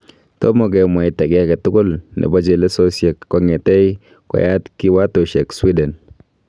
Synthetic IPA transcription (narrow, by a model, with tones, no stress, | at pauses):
tɔ̰˦mɔ˨k̬ɛ˨mwa˨ɪ˦tɛ˨kɛ˦a˦kɛ˨tʊ˦kʊ˦lnʔḛ˨bɔ˦d͡ʒe˨le˦so˦sjɛ˨kːɔ˨ŋɛ˨tɛ˦i | kɔ̰˨ja˦tki˦wa˦to˨ʃɛ˨kswi˦dɛ˨n